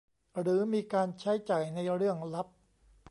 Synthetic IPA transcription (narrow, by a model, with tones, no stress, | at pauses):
ɾɯː˩˦miː˧kaː˧nt͡ɕʰa˦˥jt͡ɕaː˨˩jna˧jɾɯ˥˩əŋla˦˥p̚